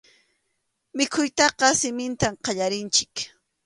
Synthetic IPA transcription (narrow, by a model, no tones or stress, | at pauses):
mɪkʰʊjt̪ɑqɑsɪmɪnt̪amqɑʎaɾɪnt͡ʃɪ̥k